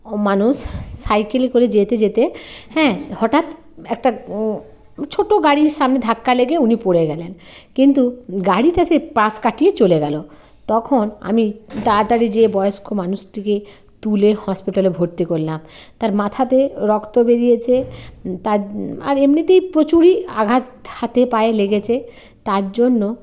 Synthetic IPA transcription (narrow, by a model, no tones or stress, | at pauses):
manuʃːajkelekoɾed͡ʑet̪ed͡ʑet̪ehɛ̃hɔʈat̪ | ɛk̚ʈa | t͡ɕʰoʈoɡaɽiɾʃamned̪ʱakːaleɡeunipoɽeɡɛlenkint̪uɡaɽiʈasepɾaskaʈijet͡ɕoleɡɛlo | t̪ɔkʰona̰mit̪aɾt̪aɾid͡ʑebɔeoʃkʰomanuʃʈike | t̪ulehɔspiʈalebʱoɾt̪ikoɾlamt̪aɾmat̪ʰat̪eɾɔkt̪obeɾijet͡ɕʰet̪aa̰ɾemnit̪ejpɾot͡ɕuɾia̰ɡʱat̪hat̪epaeleɡet͡ɕʰe | t̪aɾd͡ʑonːo